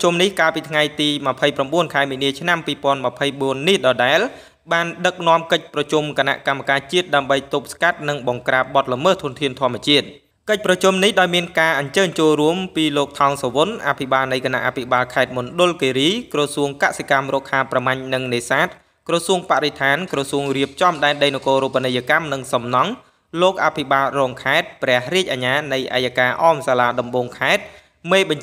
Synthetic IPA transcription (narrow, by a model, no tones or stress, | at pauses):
t͡ɕumnihkaːlpiːt̪ʰŋajt̪iːməpʰəjpramɓuənkʰaɛmiːniət͡ɕʰnampiːpŏənməpʰəjɓuənːihɗɑɗaɛl | ɓaːnɗək̚nŏəmkəc̚prɑt͡ɕumkəna̰ʔkamːakaːt͡ɕiət̪̚ɗaəmɓəjt̪up̚skat̪̚nɨŋɓɑŋkraːp̚ɓɑt̪̚ləməht̪ʰŭənt̪ʰiənt̪ʰŏəmĭət͡ɕiət̪̚ | kəc̚prɑt͡ɕumnihɗaɔjmiənkaːʔɑɲt͡ɕəːɲt͡ɕoːlruəmpiːloːk̚t̪ʰɑŋsɔʋonʔa̰pʰiɓaːlnɨjkʰana̰ʔapʰiɓaːlkʰaɛt̪̚munɗʊ̆lkeːɾiːkrɑsuəŋkaʔsikamrɔːkʰaːpramaɲnɨŋneːsaːt̪̚ | krɑsuəŋpaʔɾet̪ʰaːnkrɑsuəŋriəp̚t͡ɕɑmɗaɛnɗəjnokoːɾupːanɨjakamnɨŋsɑmnɑŋ | loːk̚ʔapʰiɓaːlrɔːŋkʰaɛt̪̚prɛ̆əhriəc̚ʔaɲaːnɨjʔa̰jakaːʔɑːmsaːlaːɗɑmɓoːŋkʰaɛt̪̚ | meːɓɑɲ